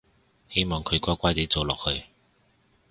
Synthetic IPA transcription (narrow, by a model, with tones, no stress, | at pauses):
he˥jmɔː˨ŋkʰɵ˨˧kʷɔː˥kʷaː˥jt͡si˨˧˥t͡so˨wlɔː˨k̚hɵ˨˧ɥ